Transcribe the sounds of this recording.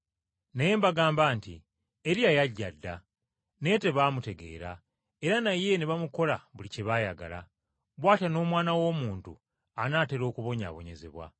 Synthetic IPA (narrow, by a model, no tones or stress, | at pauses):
naje̞mbaɡaːmbaːntḭ | eɾiajaɟːadːa | ne̞te̞βamute̞ɡe̞̰ːɾa̰ | e̞ɾanaje̞niβamuko̞laβuliceβaːjaɡa̰la̰ | βwaːtano̞ːmwaːnawo̞ːmuːntu | anaːte̞ɾo̞ːkuβo̞ɲa̰βo̞ɲe̞zḛβwa̰